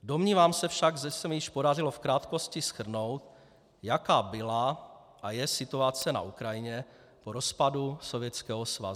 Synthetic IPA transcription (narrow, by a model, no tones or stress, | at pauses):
do̞mɲiːvaːmsɛfʃaɡʒɛsɛmjɪʃpo̞darɪlo̞fkɾaːt̪ko̞scɪsxr̩no̞wt̪ | jakaːbɪla | ʔajɛsɪt̪uat͡sɛna̰ʔukɾajɪɲɛ | poɾo̞spaduso̞vjɛt͡skɛːɦosva̰z